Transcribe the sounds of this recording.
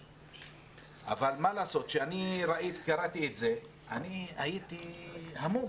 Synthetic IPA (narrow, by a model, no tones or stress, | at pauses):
ʔa̰valmalaːso̞t̪ʃeaniɾaʔit̪i̥kaɾat̪iet̪ze̞ | ʔaniajit̪ihamu